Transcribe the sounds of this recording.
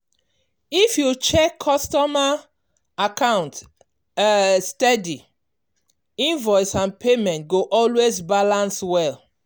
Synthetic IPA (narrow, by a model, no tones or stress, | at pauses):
ifjut͡ʃɛkʰːɔstɔma | akãʊ̃nt | stɛdi | ĩnvɔɪsãnpʰemɛ̃nt̚ɡoʔɔlwezbalãnswɛl